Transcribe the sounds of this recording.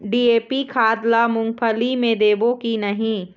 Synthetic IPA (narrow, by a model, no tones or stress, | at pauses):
ɖiːeːpikʰaːd̪lamʊ̃ŋɡpʰəlimẽd̪eːbõkinɐɦĩ